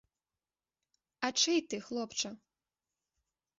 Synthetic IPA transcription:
ɐt͡ʂɨjt̪ɨxlˠɔpt͡ʂɐ

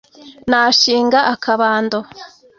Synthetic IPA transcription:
naʃiːŋɡaʔakʰaβaːndo

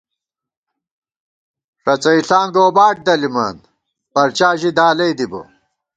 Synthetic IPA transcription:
ʂɐt͡sɐiɬaːŋɡoːbaːʈ̚d̪ɐlima̰ːn | bɐɾt͡ɕaːʑid̪aːlɐjd̪ibo̰

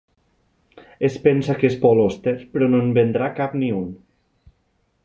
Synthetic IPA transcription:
espensakespɔlost̪eɾpɾɔnonbend̪ɾakapniun

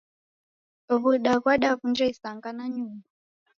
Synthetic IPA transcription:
ɔβuɗakwaɗaβund͡ʒɛisaŋɡanaɲumba

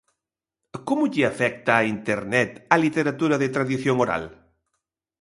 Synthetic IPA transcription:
komuʎiafɛk̚t̪aːint̪eɾnɛt̪alit̪eɾat̪uɾaðet̪ɾaðiθjoŋoɾa̰l

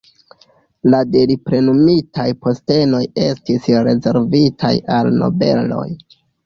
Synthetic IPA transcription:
lade̞lipɾe̞numitʰajpo̞ste̞no̞je̞stisɾe̞ze̞ɾvitʰajalno̞̰be̞̰lo̞̰j

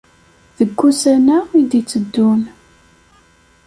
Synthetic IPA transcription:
ðəɡːusænaid̪it͡sːəd̪ːun

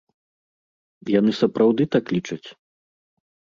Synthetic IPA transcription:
janɨsɐpɾʔawd̪ɨt̪aklʲit͡ʂɐt͡sʲ

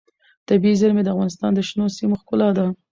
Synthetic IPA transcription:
t̪abiizəɾmed̪əafɣɑnɪst̪ɑ̰nd̪əʃnosimoxkʊlɑd̪a

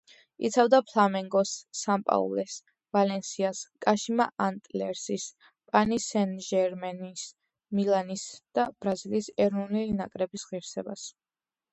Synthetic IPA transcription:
ḭt̪sʰavd̪apʰlˠamɛŋɡɔsːampʼa̰ṵlɛs | valɛnsiaskʼaʃima̰ʔant̪ʼlɛɾsis | pʼanisɛnʒɛɾmɛnis | milˠanisd̪̥ab̥ɾaziliːsɛɾɔnulinakʼɾɛbisʁiɾsɛbas

